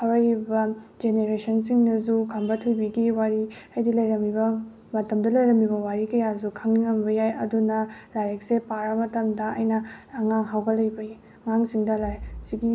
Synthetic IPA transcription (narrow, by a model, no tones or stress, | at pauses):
hɐwɐɾibɐd͡ʒeneɾesɐnsiŋnɐzukʰɐmbɐtʰujbiɡiwaɾiɐjdilɐjɾɐmibɐ | mɐtɐmdɐlɐjɾɐmibɐwaɾikɐjazukʰɐŋniŋɐmbɐjajɐdunɐlaɾek̚sepaɾɐmɐtɐmdɐɐ̰jnɐːŋaŋɦawɡɐlɐjbɐi | ŋaŋsiŋdɐlajsiɡi